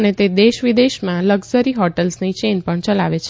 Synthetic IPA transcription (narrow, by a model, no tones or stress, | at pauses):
ənet̪ed̪eʃʋid̪eʃmãləɡzəɾiɦɔʈəlsnit͡ʃenpəɳt͡ʃəla̰ʋet͡ʃʰ